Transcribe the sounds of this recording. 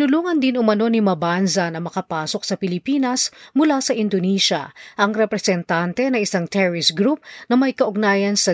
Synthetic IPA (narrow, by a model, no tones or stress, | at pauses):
nʊluːŋɐnd̪ɪnʊmɐno̞nimɐbansɐnɐmɐkɐpaːsok̚sɐpɪlɪpiːnɐsmʊlasɐʔɪnd̪oniːʃɐ̰ʔɐŋɾɛpɾɛsɛnt̪ant̪ɛnɐŋɪsaŋt̪ɛɹɪsɡɾup̚nɐmɐjkɐʔoɡ̚naːjɐnsɐ